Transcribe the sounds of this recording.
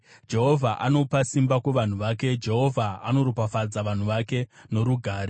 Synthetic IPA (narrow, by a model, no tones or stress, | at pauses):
d͡ʒe̞ɦo̞vʱaʔano̞pasimbakweʋan̤uʋaːke̞d͡ʒe̞ɦo̞vʱaa̰no̞ɾupafad͡zaʋan̤uʋake̞no̞ɾuɡʱaːɾe